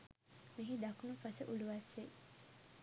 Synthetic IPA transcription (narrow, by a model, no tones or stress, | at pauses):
miɦid̪akunupasəʔuluʋɐsːe